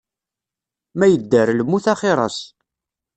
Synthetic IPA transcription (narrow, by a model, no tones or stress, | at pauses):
mæjəd̪ːəɾləmːuθɑχɪɾˤɑ̰s